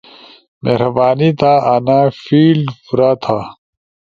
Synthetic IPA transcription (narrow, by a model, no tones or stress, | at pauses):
meɾɐbaːnit̪aːʔanaːfiːlfuɾaːt̪ʰa